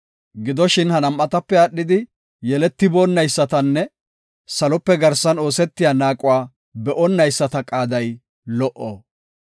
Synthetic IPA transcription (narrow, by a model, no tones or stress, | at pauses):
ɡɪd̪ɔʃɪnhɐnɐmʔɐt̪ɐpːɛɐɗːɪd̪ɪ | jɛlɛt̪ːɪboːnːɐjsːɐt̪ɐnːɛ | sɐlɔpːɛɡɐɾsɐno̞ːsɛt̪ːɪjaːnaːkʼʊwaː | bɛʔɔnːɐjsːɐt̪ɐkʼaːd̪ɐj | lɔʔo̰ː